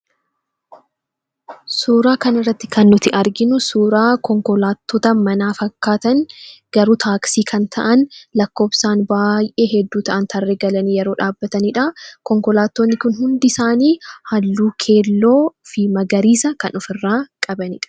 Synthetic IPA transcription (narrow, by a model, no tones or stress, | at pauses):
suːɾaːkɐnɪrːɐt̪ːɪ̥kɐnːʊt̪ɪʔɐɾɡɪnʊsuːɾaːkɔŋkɔlaːt̪ːɔːt̪ɐmɐnaːfɐkːaːt̪ɐnɡ̥ɐɾuːt̪ʰaːksiːkʰɐnt̪ʰɐ̰ʔɐnlɐkːo̞ːbsaːnbaːjʔe̞ːɦɛd̪ːuːt̪ɐʔɐnt̪ʰɐrːeːɡɐlɐnijɛɾo̞ːᶑaːbːɐt̪ɐnɪᶑɐkɔŋkɔlaːt̪ːoːnːɪkʊnhʊnd̪ɪsaːniːhɐlːuːkʰe̞ːlːoːfɪmɐɡɐɾiːsɐkɐnɔfɪrːaːkʼɐbɐnɪᶑɐ̥